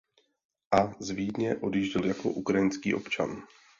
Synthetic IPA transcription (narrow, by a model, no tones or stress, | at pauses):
ʔazviːdɲɛʔo̞djiːʒɟɪljako̞̰ʔukɾajɪnskiːʔo̞̰pt͡ʃa̰n